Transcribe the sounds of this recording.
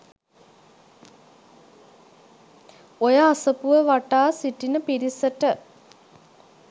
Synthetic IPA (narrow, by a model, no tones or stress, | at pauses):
ojəasəpuʋəʋaʈaːsiʈinəpiɾisəʈə